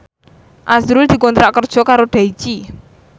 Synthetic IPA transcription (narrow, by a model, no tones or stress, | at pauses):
ʔasɾʊld̪̥i̤kɔnt̪ɾaʔkərd̥ʒ̥ɔ̤kaɾoɖ̪̥a̤it͡ʃi